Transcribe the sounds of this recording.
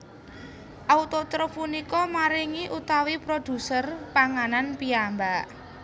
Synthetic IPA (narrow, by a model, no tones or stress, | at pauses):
ʔaut̪ɔt̪ɾɔpunikɔmaɾiŋiʔut̪awipɾod̪̥ṳsərpaŋananpiambaʔ